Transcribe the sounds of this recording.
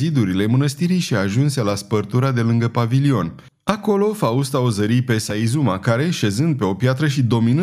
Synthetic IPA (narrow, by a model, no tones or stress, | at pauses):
zid̪uɾile̞mənəst̪iɾijʃiaʒunse̞laspərt̪uɾad̪e̞lɨŋɡəpavilio̞n | ako̞lo̞faust̪aozəɾijpe̞saizumakaɾe̞ʃe̞zɨnd̪̚pe̞o̞pjat̪ɾəʃid̪o̞minɨ